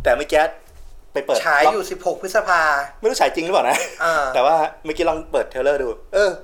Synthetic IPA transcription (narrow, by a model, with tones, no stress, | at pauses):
t̪ɛː˨˩ma˦˥˩jkɛː˦˥t̪̚ | pa˧jpəɤː˨˩t͡ɕʰaː˦jjuː˨˩si˨˩p̚ho˨˩k̚pʰɯ˦˥t̪̚sa˧pʰaː˧mma˥˩jɾu˦˥˩t͡ɕaː˩˦jt͡ɕi˧ŋlɯ˦paː˨˩na˦˥ʔaː˧ɛː˨˩waː˥˩ma˥˩kiː˦˥lɔ˧ŋpɤː˨˩t̪ʰːe˧lɤː˥˩duː˧ʔɤː˧